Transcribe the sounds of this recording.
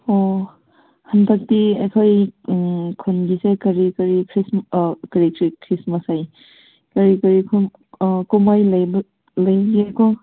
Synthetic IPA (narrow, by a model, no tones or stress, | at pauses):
ɔ | hɐntak̚tiekʰoj | kʰonɡisekɐɾikɐɾikʰɾismkɐɾikʰɾikʰɾismasaj | kɐɾikɐɾikʰu | kumajlɐjb | lɐjbiako